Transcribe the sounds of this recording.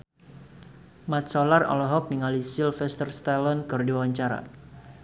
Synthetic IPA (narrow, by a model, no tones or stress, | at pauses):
mat̪̚sɔlarɔ̰lɔɦɔk̚niŋalisilfɛst̪ərst̪alənkɨrdiwawaɲt͡ʃaɾa̰